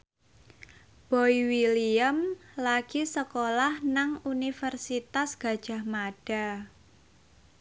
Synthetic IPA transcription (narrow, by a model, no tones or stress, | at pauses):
b̥ɔiwiliəmlaɡ̥isəkolahnaŋunifərsit̪asɡ̥a̤d̥ʒ̥a̤hmaɖ̥a̤